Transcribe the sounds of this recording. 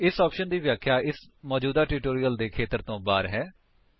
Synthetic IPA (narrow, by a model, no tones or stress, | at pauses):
ɪsɔːpʃənd̪iːʋjaːkʰːjaːʔɪsmɔːd͡ʒuːd̪aːʈuːʈoːɾiːəld̪eːkʰeːt̪əɾt̪õːbaːɾɦɛː